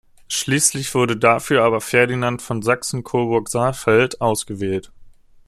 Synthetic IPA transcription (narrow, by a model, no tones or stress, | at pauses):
ʃliːslɪçv̥ʊɐɾədafyːɐʔaːbɐfɛɐdinantfɔnzaksn̩kʰoːbʊɐkz̥aːfɛltʔaʊsɡ̥əvɛːlt